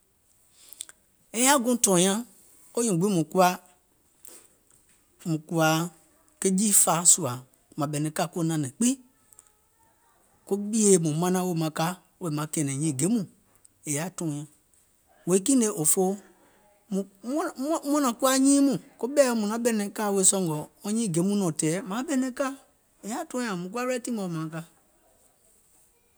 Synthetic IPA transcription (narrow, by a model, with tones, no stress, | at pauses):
e˨ja˦ɡõ˦tɔ̃˨˦ã˦ | o˦ɲĩ˨ɡ͡bi˦mũ˨ku˦a˦ | mũ˨ku˦a˨ | ke˦d͡ʒi˦fa˨su˨a˨ | mã˨bɛ˨nɛ̃˨ka˦ko˦nã˨nɛ̃˨k͡pi˦ | ko˦bi˦e˦mũ˨mã˦nã˦wo˦˨mã˨ka˦ | o˦e˨mã˨kɛ˨nɛ̃˨ɲĩ˨˦˨ɡe˨˦mũ˨ | e˨ja˨˦˨tɔ̃˨˦ã˨ | we˨˦kĩ˦ne˧˦ʔo˨fo˦ | mũ˨˦m˦mɔ̃˦nã˨ku˦a˦ɲĩː˦mũ˨ko˦ɓɛː˦mũ˨nã˨˦ɓɛ˦nɛ̃˨˦ka˦˨we˧˦sɔ̃˧˦ŋɡɔ˨˦ɔ̃˦ɲĩː˦˨ɡe˨˦mũ˦nɔ̃˨tɛː˨˦mã˨˦bɛ˨nɛ̃˧˦ka˦ | e˨ja˨˦tɔ̃˦ã˨mũ˨k̬u˦a˦bɛ˦tĩ˦ɔ̃˨mã˨˦ka˦